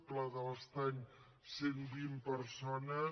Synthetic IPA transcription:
plaðələst̪aɲ | senbimpəɾsonə

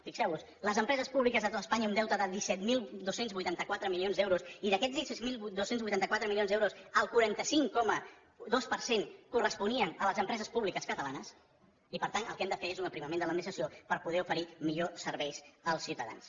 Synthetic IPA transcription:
fiksɛwβus | ləzəmpɾɛzəspuβlikəzðət̪ot̪əspaɲəund̪ɛwt̪əðəðisɛt̪milˠd̪osenzβujt̪ant̪əkwat̪ɾəmilionzd̪ɛwɾusiðəkɛzdisɛtmilˠd̪osenzβujt̪ant̪əkwat̪ɾəmilionzðewɾusəlˠkuɾant̪əsiŋkɔmə | ðospəɾseŋkurəspuniənələzəmpɾɛzəspuβlikəskət̪əlanəs | ipəɾt̪anəlˠkɛmd̪əfeezunəpɾiməmend̪ələd̪minist̪ɾəsiopəɾpuðɛufəɾimiʎosəɾβɛjsəlˠsiwt̪əða̰ns

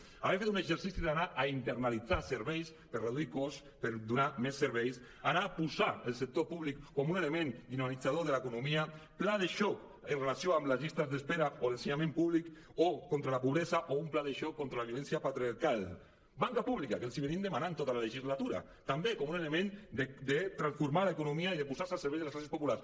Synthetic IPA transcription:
aβefet̪unezeɾsisiðanaʔaint̪eɾnalid͡zaseɾβɛjs | pəɾreðuikɔs | pəɾd̪unamesːəɾβ̞ɛjs | anaːpuzaəlˠsek̚t̪opuβlikːɔmunelemend̪inanid͡zaðoðelaekunumiaplaðeʃɔk | ənrelasjoamləzʎist̪azðespeɾaolenseɲamẽmpuβlik | okont̪ɾalapuβɾezaʔoumplaðeʃɔkːont̪ɾalaβjulɛnsjapat̪ɾiaɾkal | baŋkapuβlikakəlˠsiβeɾind̪emanant̪ot̪alaleʒizlat̪uɾa̰ | t̪ambekɔmunelemẽnd̪ed̪et̪ɾansfuɾmalaekunumiaiðepusaɾsalˠseɾβɛjzðesklas̬espopulaɾs

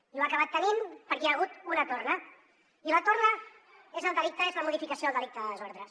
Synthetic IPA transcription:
iluakəβ̞at̪ːənimpəɾkɛaɣ̞ut̪unət̪ornə | ilət̪ornə | ezəlˠd̪əlik̚t̪əezləmuðifikəsioðəlˠd̪əlik̚t̪əðələzoɾðɾəs

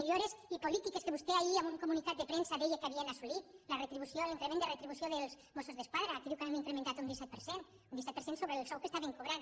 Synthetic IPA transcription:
eʎoɾesipolit̪ikeskeβust̪eaʎiamuŋkomunik̪at̪̚d̪epɾensaðejekeaβiaelasulitlaret̪ɾiβusjoliŋkɾemẽnd̪eret̪ɾiβusjoðelz | mosozðeskwaðɾaːkiðukaβemiŋkɾemẽnt̪at̪ound̪isɛt̪peɾsen | unisɛt̪̚peɾsensoβɾelsɔwkest̪aβeŋkoβɾan

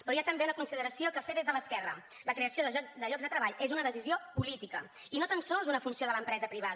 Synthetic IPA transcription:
pɾɔjat̪əmbenəkunsiðəɾəsiokəfeðezðələskɛrə | ləkɾeəsioðəd̪əʎɔɡzðət̪ɾəβaʎezunəðəsiziopulit̪ikə | inot̪ansɔlˠzunəfunsioðələmpɾɛzəpɾiβ̞að

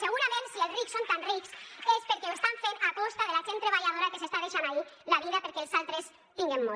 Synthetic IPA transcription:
seɣuɾamẽnsielsriksːont̪anriksespeɾkewest̪aɱfenakɔst̪aðelaʒent̪ɾeβaʎaðoɾakesest̪að̞eʃanailaβiðapeɾkeːlˠsalˠt̪ɾes | t̪iŋɡemːo

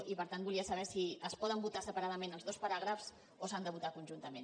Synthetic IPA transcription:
ipəɾt̪anbulˠiəsəβ̞ɛsiəspɔðəmbut̪asəpəɾaðəmenəlˠzðospəɾaɣɾəfz | osand̪əβut̪akunʲʒunt̪əmen

